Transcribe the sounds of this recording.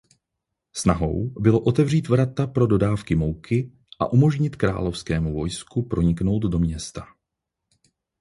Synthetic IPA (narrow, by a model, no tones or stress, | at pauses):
snaɦo̞̰wbɪlo̞ʔo̞t̪ɛvr̝iːt̪vɾat̪apɾo̞do̞daːfkɪmo̞wkʰɪ | ʔa̰ʔumo̞ʒɲɪt̪kɾa̰ːlo̞fskɛːmuvo̞jskupɾo̞ɲɪkno̞wt̪do̞mɲɛst̪a